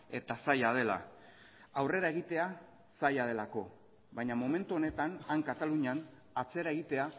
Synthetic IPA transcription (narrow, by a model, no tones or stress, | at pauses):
e̞t̪asajað̞e̞la̰ | awre̞ɾae̞ɣit̪e̞a | sajað̞e̞lako̞ | βajɲamome̞nt̪uo̞ne̞t̪anaŋkat̪aluɲan | at͡se̞ɾae̞ɣ̞it̪e̞a